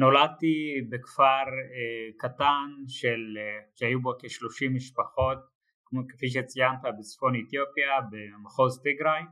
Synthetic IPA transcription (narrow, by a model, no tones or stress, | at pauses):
no̞lad̚t̪ibekfaʁekatanʃelʃeajubokeʃlo̞ʃimːiʃpaχo̞t̪̚ | okefiʃ̬et͡sijant̪abet͡sfo̞net̪jopjabemaχo̞zt̪iɡɾaj